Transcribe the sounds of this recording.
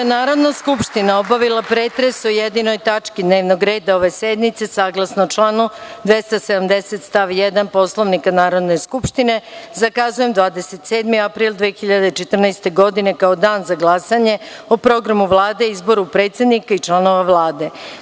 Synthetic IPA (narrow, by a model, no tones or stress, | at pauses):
enaːɾo̞d̪naskupʃt̪inaobaʋilˠapɾeːt̪ɾe̞sojed̪ino̞jt̪at͡ʃkid̪neːʋnoɡɾe̞ːd̪ao̞ʋe̞sed̪mit̪se̞saːɡlˠasnot͡ʃlˠaːnud̪ʋe̞st̪ase̞d̪amd̪e̞se̞t̪st̪aʋjed̪anpo̞slˠoʋnikanaːɾo̞d̪ne̞skupʃt̪ine̞zakazuje̞md̪ʋaːd̪ese̞t̪seːd̪miapɾiːlˠd̪ʋexiʎad̪et͡ʃet̪r̩najst̪e̞ɡo̞d̪ine̞kaod̪aːnzaɡlˠasaɲe̞opɾo̞ɡɾamuʋlˠaːd̪e̞izbo̞ɾupɾe̞ːt̪sʲed̪nikait͡ʃlˠano̞ʋaʋlˠaːd̪e̞